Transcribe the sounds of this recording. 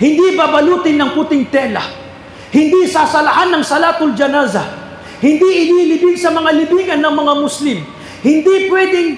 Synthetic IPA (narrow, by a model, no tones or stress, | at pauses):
hɪnd̪ibabɐluːt̪ɪnːɐŋkut̪ɪŋt̪ɛla̰ | hɪnd̪isaːsɐlɐʔanːɐŋsɐlat̪ʊld͡ʒɐnazɐ | hɪnd̪iʔɪnilɪbɪɡsɐmɐŋalɪbiːɡɐnːɐŋmɐŋamʊslɪm | hɪnd̪ipwɛd̪ɪŋ